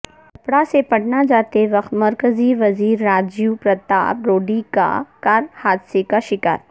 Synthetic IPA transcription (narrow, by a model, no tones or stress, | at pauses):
kɐpɽasepɐɽnad͡ʒaːt̪eʋɐkt̪mɐɾkəziʋɐziːɾːaːd͡ʒjupɾɐt̪a̰ːbɾoːɖika̰kaːɾhaːd̪sekaʃɪka̰ːɾ